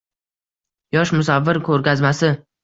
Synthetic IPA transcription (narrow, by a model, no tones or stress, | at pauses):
jɒʃmʊsavːɪɾkʲʰɵɾɡʲazmasɪ